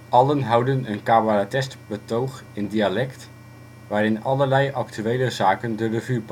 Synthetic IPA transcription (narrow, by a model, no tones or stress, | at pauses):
ʔɑlənɦɑwdənənkaːbaratɛstbətowχ | ɪndialɛkt | ʋaːɾɪnɑləɹlɛjʔɑktyʋejləzaːkəndərəvyp